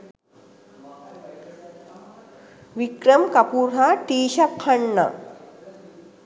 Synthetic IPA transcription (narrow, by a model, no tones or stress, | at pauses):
ʋikɾɐmkɐpuɾɦaʈiːʃɐkʰːɐɳːɐ̰